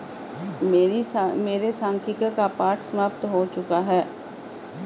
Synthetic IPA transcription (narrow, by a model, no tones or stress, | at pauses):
meːɾimeːɾesãːŋkʰikakapaːɾʈʰsəmaːpt̪ɦot͡ʃʊkaɦɛː